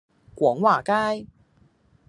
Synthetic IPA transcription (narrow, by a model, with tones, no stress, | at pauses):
kwɔ˨˥ŋwaː˨˩kaː˥j